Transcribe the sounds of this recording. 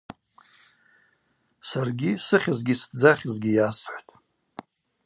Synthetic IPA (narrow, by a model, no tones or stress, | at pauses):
sarɡʲisɨχʲazɡʲisd͡zaχʲɪzɡʲijasħʷtʼ